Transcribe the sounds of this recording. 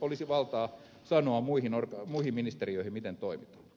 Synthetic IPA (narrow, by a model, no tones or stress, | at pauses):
olisiʋɑlt̪ɑː | sɑnoɑmmuihinorkɑmuihimminist̪eriøihimmit̪ent̪oimit̪ɑ̥